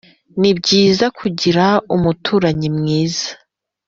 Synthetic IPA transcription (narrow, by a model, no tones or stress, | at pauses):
nibɟiːzakʰuɟiɾaumutʰuːɾaɲimŋiːz̥ḁ